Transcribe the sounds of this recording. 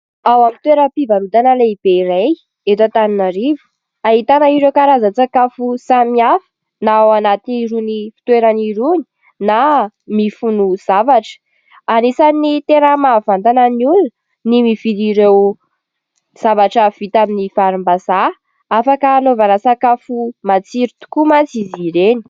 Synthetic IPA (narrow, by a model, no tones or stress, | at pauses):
awamint̪weɾəpivaɾut̪anəleib̥eiɾej | et̪at̪aninaɾivu̥ | aɦit̪anəiɾewkaɾazət͡sakafusamiafə̥ | naawanat̪iniɾunifi̥t̪weɾaniɾuni̥ | na | mifunuz̥avaʈ͡ʂə̥ | anisanit̪enəmavant̪anəniuln | nimiviliɾew | z̥avaʈ͡ʂav̥it̪aminifaɾumbasa | afakəːnovanəsakafumat͡siɾit̪u̥kumant͡siziɾeni̥